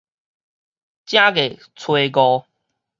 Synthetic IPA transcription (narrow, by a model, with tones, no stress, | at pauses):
t͡ɕjã˦ɡe˨˩ | t͡sʰwe˧ɡɔ˧